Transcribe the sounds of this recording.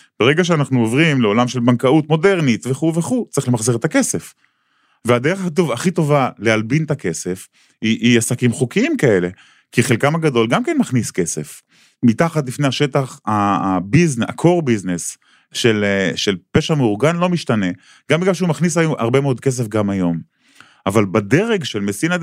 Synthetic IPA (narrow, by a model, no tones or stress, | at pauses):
b̥eʁe̞ɡaʃ̬eanaχnuovʁimleo̞lamʃe̞lbankaut̪mo̞de̞ʁnit̪veχuveχut͡siχle̞maχziʁet̪ake̞se̞f | vead̪eʁeχakat̪̬uvaχit̪o̞valealbint̪ake̞se̞f | iiasakimχukiimkae̞le̞ | kiχelkamaɡado̞lɡamkenmaχniske̞se̞̰f | mit̪aχat̪lifneaʃe̞t̪aχabizna̰kʰo̞ʁbiznes | ʃe̞lʃelpeʃameuʁɡanlo̞miʃtane̞ | ɡ̥ambeɡaʃ̬eumaχnis̬ajuʔa̰ʁbe̞meo̞d̪ke̞s̬efɡamajo̞m | avalbad̪e̞ʁeɡʃelmesinad